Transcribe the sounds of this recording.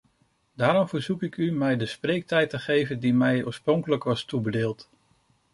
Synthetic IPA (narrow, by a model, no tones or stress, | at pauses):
d̥aːɾɔmvəɹzukɪkymɛjdəsprejk̚tɛjtəχejvəndimɛjɔːɹsprɔŋkələkʋɑstubədeːlˠt